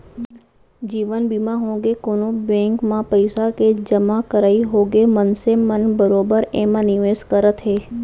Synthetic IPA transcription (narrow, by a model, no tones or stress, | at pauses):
d͡ʒiːʋənbiːmãɦõːɡekoːnobɛ̃ːŋkmãpəɪsaked͡ʒəmakəɾaːiɦoːɡemənsemənbəɾoːbəɾeːmãnɪʋeːskəɾət̪ɦeː